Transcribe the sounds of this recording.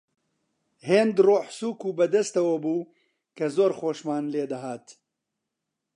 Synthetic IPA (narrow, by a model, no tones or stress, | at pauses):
heːnd̪roːħsuːkuːbɐd̪ɐst̪ɐwɐbuː | kɐzoːɾxoːʃmaːnleːd̪ɐɦaːt̪